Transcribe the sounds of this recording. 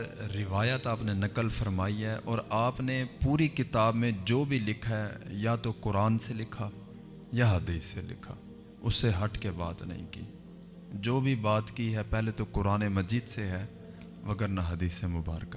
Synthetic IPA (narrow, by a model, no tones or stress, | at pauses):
ɾɪʋaːjət̪aːpnenɐkəlfɐɾmaːiɦɛʔɔːɾaːpnepuːɾikɪt̪aːbmẽd͡ʒoːbʱilɪkʰaɦɛjat̪okʊɾaːnselɪkʰa | jaɦɐd̪iːsːelɪ̰kʰa̰ː | ʊsːeɦɐʈʰkeba̰ːt̪nɐ̰ɦḭ̃kḭː | d͡ʒoːbʱibaːt̪kiɦɛpɛɦlet̪okʊɾaːnemɐd͡ʒiːd̪seɦɛː | ʋɐɡəɾnaɦɐd̪iːsemʊba̰ːɾka